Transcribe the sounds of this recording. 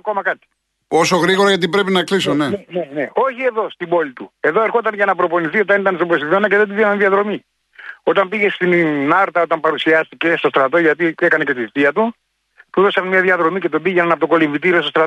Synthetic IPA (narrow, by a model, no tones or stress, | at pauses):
ko̞mɐkɐt̪i̥ | o̞so̞ɣɾiɣoɾɐʝɐt̪̬ipɾe̞pinɐklisoneeneneo̞çie̞ðo̞st̪ibo̞lit̪ue̞ðo̞e̞ɾxo̞t̪ɐnʝɐnɐpɾo̞poniθio̞t̪ɐnit̪ɐnst̪obɾosiðonɐceðed̪iðinɐnðiɐðɾo̞mi | o̞t̪ɐmpiʝe̞st̪inɐɾt̪ɐo̞t̪ɐmpɐɾusiɐst̪ice̞st̪o̞st̪ɾɐt̪o̞ʝɐt̪iekɐnece̞t̪iθit̪iɐt̪u | t̪uðo̞sɐnmɲɐðiɐðɾo̞mice̞t̪obiʝenɐnɐpot̪oko̞liɱvit̪̬iɾiostost̪ɾɐ